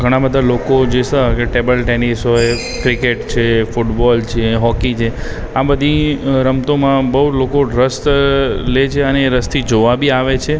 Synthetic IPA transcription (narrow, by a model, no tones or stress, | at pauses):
ɡʱəɽ̃ãbəd̪ʱalokod͡ʒesəkeʈebəlʈenisoe | kɾikeʈt͡ʃʰefuʈbɔlt͡ʃʰeɦɔkit͡ʃʰe | abəd̪ʱiɾəmt̪omãbəɦud͡ʒlokoɖɾəst̪let͡ʃʰeəneːɾəst̪ʰid͡ʒoʋabʱiaʋet͡ʃʰe